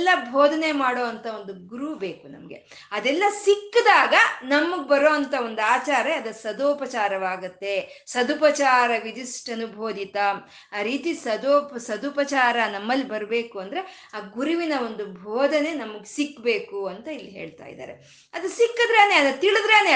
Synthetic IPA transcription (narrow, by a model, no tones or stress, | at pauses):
lːɐbʱoːd̪ʱɐne̞maːɽoːʋɐnt̪ʰɐo̞nd̪uɡuɾube̞ːkunɐ̰mɐɡe̞̰ | ɐd̪ɛlːɐsikːd̪aːɡɐnɐmːuɡbɐɾoːɐnt̪ʰɐo̞nd̪uaːt͡ʃaːɾɐɐd̪ɐsɐd̪oːpɐt͡ʃaːɾɐʋaːɡut̪ːe̞ | sɐd̪upɐt͡ʃaːɾɐʋid͡ʒisʈɐnubʱoːd̪ʱit̪ɐm | aːɾiːt̪isɐd̪oːpsɐd̪upɐt͡ʃaːɾɐnɐmːɐlːibɐɾbe̞ːkuɐnd̪ɐɾe̞ | aːɡuɾuʋinɐo̞nd̪ubʱoːd̪ʱɐne̞nɐmːɐɡesikːbe̞ːkuɐnt̪ɐilːiɦeːɭt̪a̰ːj̰d̪a̰ːɾe | ɐd̪usikːɨd̪ɾeːneɐd̪ɐt̪iɭud̪ɾeːne